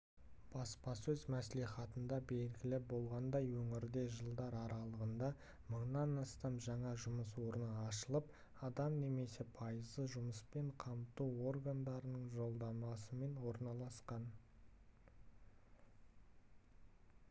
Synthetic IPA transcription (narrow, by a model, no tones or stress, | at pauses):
b̥ɑspɑsɵzmæsliχɑt̪ənd̪ɑbe̞lɡʲɪlɪbo̞lˠʁɑnd̪ɑjwɵŋɪɾd̪e̞ʒəlˠd̪ɑɾɑɾɑlˠəʁənd̪ɑ | məɴnɑnɑst̪ɑmʒɑɴɑʒʊməs̬wo̞ɾənəɑʃəlˠəp̚ | ɑd̪ɑmne̞me̞se̞pʰɑjəzəʒʊməspe̞ɴqʰɑmt̪uwo̞rɡand̪ɑɾənəɴʒo̞lˠd̪ɑmɑsəme̞nwo̞ɾnɑlˠɑsqɑn